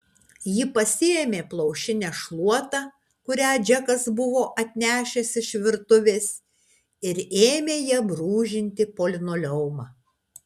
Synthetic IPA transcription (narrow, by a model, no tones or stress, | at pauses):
jɪpɐsʲɪeːmʲeːplˠɐʊʃʲɪnʲæʃlˠuɔt̪ɑː | kʊɾʲæːd͡ʒʲɛkɐsbʊʋoːʔɐt̪ʲnʲæːʃʲɛsʲɪʃʲʋʲɪɾt̪ʊʋʲeːs | ɪɾeːmʲeːjiɛbɾuːʒʲɪnʲt̪ʲɪpoːlʲɪnoːlʲɛʊmɑː